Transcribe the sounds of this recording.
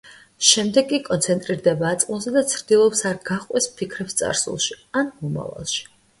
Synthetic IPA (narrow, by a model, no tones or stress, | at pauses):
ʃɛmd̪ɛɡkːʼikʼɔnt̪sʰɛnt̪ʼɾiɾd̪ɛbaːt̪sʼulˠzɛd̪at̪sʰɾd̪ilˠɔpsaɾɡaχqʼwɛspʰikʰɾɛpst̪sʼa̰ɾsṵlˠʃi | anmɔma̰va̰lˠʃi̥